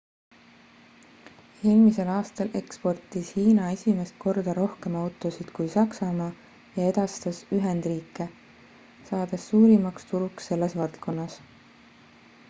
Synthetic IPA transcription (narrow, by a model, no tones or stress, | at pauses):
ilmise̞lɑːst̪ɑle̞kspo̞rt̪ːˑishiːnɑe̞sʲime̞st̪̚ko̞rd̪̥ɑɾo̞hke̞mɑwt̪ːˑo̞sid̪̥kujsɑksɑmɑː | jɑe̞d̪̥ɑst̪ɑsyɦend̪̥riːkːˑe̞ | sɑːd̪̥e̞sːuːɾimɑkst̪uɾuksːe̞lːe̞svɑlt̪ko̞nːɑs